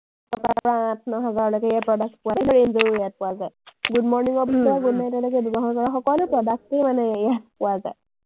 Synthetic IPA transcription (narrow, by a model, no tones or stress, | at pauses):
tɔkapɹãtʰnɔɦazaɹɔlojkɛjapɹɔdak̚tpʊwalɔɹenzoɹuɛjat̚pʊazajɡudmɔɹniŋɔɹbʱitɔɹaɡudnajtɔlojkɛdumɔɦakɔɹaxɔkɔlupɹɔdak̚tejmanɛjat̚pʊwazaj